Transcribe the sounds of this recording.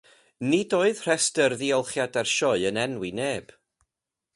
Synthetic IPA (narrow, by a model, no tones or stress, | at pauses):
nidoːɨð̥r̥ɛstərðiɔlˠχjadɛrʃɔɨənɛnwineːb̥